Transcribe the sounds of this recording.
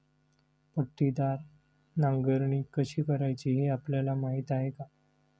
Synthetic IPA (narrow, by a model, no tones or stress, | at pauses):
pəʈːid̪aɾ | nãŋɡəɾɳ̃iːkəɕiːkəɾajt͡ɕiɦeapljalamaɦit̪aɦeka